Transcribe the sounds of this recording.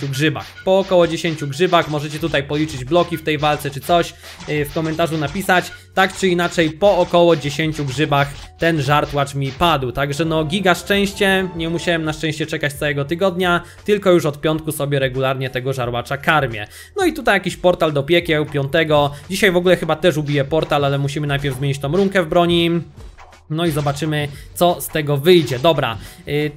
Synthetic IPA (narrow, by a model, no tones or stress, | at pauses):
uɡʐɘba̰xpɔːkɔwɔd͡ʑeɕeɲʲt͡ɕuɡʐɘbaxmɔʐɛt͡ɕɛt̪ut̪ajpɔlʲit͡ʂɘd͡ʑblɔkʲift̪ɛjvalt̪sɛt͡ʂɘt̪sɔɕ | fkɔmɛnt̪aʐunapʲisat͡ɕ | t̪akt͡ʂɘinat͡ʂɛjpɔːkɔwɔd͡ʑeɕeɲt͡ɕuɡʐɘbax | t̪ɛnʐaɾt̪wat͡ʂmʲipad̪wt̪aɡʐɛnɔɡʲiɡaʂt͡ʂɛ̃w̃ɕt͡ɕɛɲɛmuɕawɛmnaʂt͡ʂɛ̃w̃ɕt͡ɕɛt͡ʂɛkat͡ɕt̪sawɛɡɔt̪ɘɡɔd̪ɲa | t̪ɘlkɔjuʂɔt̪̚pʲjɔnt̪̚kusɔbʲjɛɾɛɡulaɾɲɛt̪ɛɡɔʐaɾwat͡ʂakaɾmʲjɛ̰ | nɔit̪ut̪ajakʲiɕpɔɾt̪ald̪ɔpʲjɛkʲjɛupʲjɔnt̪ɛɡɔd͡ʑiɕajvɔɡulɛxɘbat̪ɛʂubʲijɛpɔɾt̪alalɛmuɕ̬imɘnajpʲjɛɾvzmʲjeɲit͡ɕt̪ɔ̃mɾuŋkɛvbɾɔɲi | nɔizɔbat͡ʂɘmɘt̪sɔst̪ɛɡɔvɘjd͡ʑɛd̪ɔbɾa̰